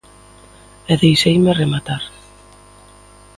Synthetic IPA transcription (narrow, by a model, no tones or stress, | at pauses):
ɛðejʃejmeremat̪aɾ